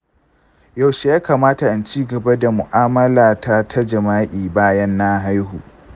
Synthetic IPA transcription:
ja˨wʃe˨jaː˦kaː˨maː˦ta˨ʔa˦nt͡ʃiː˦ɡɐ˨ba˦da˨mʊ˨ʔaː˦mɐ˦laː˨ta˦tʰa˦d͡ʒɐ˨maː˦ʔʲiː˨baː˦jɐ˦nːa˦ɦa˦jɦuː˨

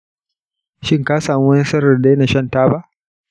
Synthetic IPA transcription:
ʃɪ˦ŋkaː˦saː˨mu˦wni˦sɐ˦ɾɐ˨rda˦ne˨ʃɐ˦˨ntaː˦ba˦ʔ

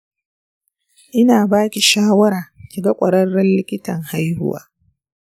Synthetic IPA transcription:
ʔɪ˦naː˨baː˦kʲi˨ʃaː˦wɐ˦ɾaː˨ʃʲɪ˨ɡa˦kʷʼɐ˨ɾɐ˦rːɐ˦nlɪ˦kʲɪ˦tɐ˨ŋha˦jhʊ̰˦wa̰ː˦

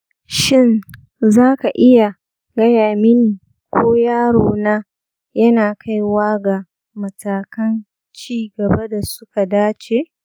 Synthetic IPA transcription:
ʃɪ˦n | zaː˦ka˨ʔɪ˦ja˨ | ɡɐ˦jaː˨mɪ˦ŋn˨ | kʷʰoː˦jaː˦ɽoː˨naː˦ | jɐ˦naː˨kʰa˦jwaː˦ɡa˨ | mɐ˨taː˨kɐ˦n | t͡ʃiː˦ɡɐ˨ba˦da˨sʊ˦ka˨daː˦t͡ʃeː˨ʔ

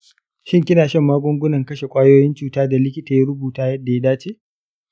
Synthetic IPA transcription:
ʃɪ˦ŋkʲɪ˦naː˨ʃɐ˦˨mːaː˦ɡʷʊ˦ŋɡʷʊ˦nɐ˨ŋkɐ˦ʃe˨kʷʼaː˦joː˦jɪ˦nt͡ʃuː˦taː˦da˨lɪ˦kʲɪ˦ta˨ja˦ɾʊ˦buː˨taː˦jɐ˦dːa˨ja˦daː˦t͡ʃeː˦ʔ

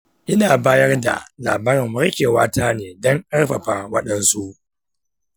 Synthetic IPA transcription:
ʔɪ˦naː˨baː˦jɐ˦rda̰˨la̰ː˨baː˦ɾɪ˨mmʊ˦ɾkʲeː˨waː˦taː˦neː˨dɔ˦ŋʔɐ˦ɽɸa˨ɸa˨wɐ˦ɗɐ˨nsu˦ʔ

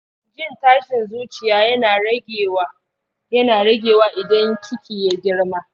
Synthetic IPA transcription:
d͡ʒɪ˦˨ntaː˦ʃɪ˨nzuː˦t͡ʃɪ˨jaː˦jɐ˦na˨˦ɡʲe˨w | jɐ˦naː˨ɽɐ˦ɡʲeː˨waː˦ʔɪ˨dɐ˦ŋkʲʰɪ˦kʲiː˨ja˦ɡʲɪ˦ɽmaː˦

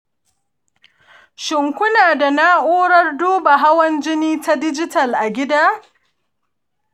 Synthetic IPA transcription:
ʃɪ˨ŋkʷʊ˦naː˨da˨na˦ʔoː˦ɽɐ˦rduː˦ba˨ɦa˦wɐ˦nd͡ʒɪ˦niː˦ta˦dɪ˦d͡ʒɪ˦tɐ˨lʔa˨ɡʲɪ˦daː˦

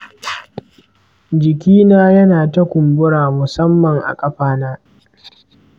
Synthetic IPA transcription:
d͡ʒɪ˨kʲiː˦naː˦jɐ˦naː˨tɐ˦kʷʊ˨mbʊ˦ɽaː˨mʊ˨sɐ˦mːɐ˨ŋʔa̰˨kʼɐ˦ɸaː˦naː˦

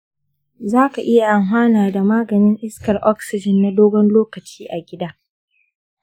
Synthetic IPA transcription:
zaː˦ka˨ʔɪ˦ja˨ʔa˨ŋɦʷaː˦naː˨da˨maː˦ɡɐ˨nɪ˦ŋʔɪ˦skɐ˨rʔɔ˦ksɪ˨d͡ʒɪ˨nːa˦doː˦ɡɔ˦nloː˦kɐ˨t͡ʃiː˦ʔa˨ɡʲɪ˦daː˦

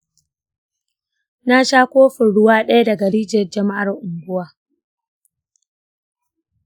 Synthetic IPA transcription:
na˦ʃaː˦kʷoː˦ɸɪ˨ɽʊ˦waː˦ɗɐ˦ja˦dɐ˨ɡɐ˨ɽiː˦d͡ʒɐ˨rd͡ʒɐ˦ma˦ʔa˨rʔʊ˨ŋɡʷʊ˦waː˦

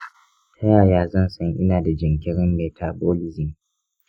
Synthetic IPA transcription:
tʰɐ˦jaː˨jaː˦zɐ˦˨nsʼɐ˦ŋʔɪ̰˦naː˨da˨d͡ʒɪ˨ŋkʲɪ˦ɽɪ˦mːeː˨tʰaː˨boː˦lɪ˦zɪ˨ŋ

